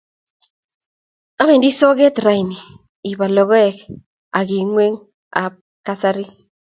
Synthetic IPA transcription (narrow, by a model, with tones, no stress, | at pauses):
a˦mɛ˨ndi˦sɔ˦ɡɛ˦t̪ɾa˨ɪ˨ni˨ | i˨ba˨lɔ˨ɡɔ˦ɛ˨k | a˨ɡi˨ŋwe˦ŋ | a̰˨ | ka˦sa˦ɾi˦